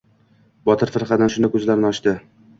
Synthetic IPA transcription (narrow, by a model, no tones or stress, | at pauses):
bɒt̪ʰɪɾfɪɾχɑd̪anʃʊnakʰɵzlaɾnɒʃt̪ɪ